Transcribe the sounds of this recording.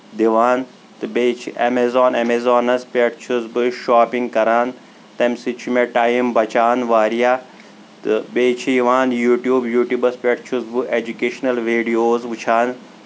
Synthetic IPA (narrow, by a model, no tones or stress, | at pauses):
d̪iʋaːn | t̪ɨbeːt͡ʃʰiemezoːnemezoːnɐspʲɐʈt͡ʃʰuzbɨʃaːpiŋɡkɐɾaːn | t̪ɐmsit͡ʃʰumeʈaːimbɐt͡ʃaːnʋaːɾijaː | beːt͡ʃʰiiʋaːnjuːʈjuːbjuːʈjubɐspʲeʈt͡ʃʰuzbɨʔeːd͡ʒukeːʃnɐlʋiːɖijoːzʋut͡ʃʰaːn